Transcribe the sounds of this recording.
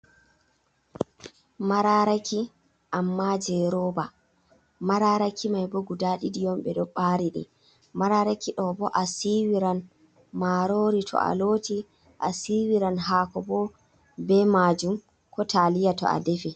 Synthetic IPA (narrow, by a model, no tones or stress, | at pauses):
maɾaɾaki | ʔamːad͡ʒɛɾɔːba | maɾaɾakʰimajboɡudaɗidijɔmɓɛɗɔɓaɾiɗḭ | maɾaɾakiɗɔbɔʔasiwiɾan | maɾoɾitʰɔ̰a̰loːti | ʔasiwiɾanɦaːkɔbɔ | bɛmaːd͡ʒum | kʰɔtalijatɔ̰ʔa̰defi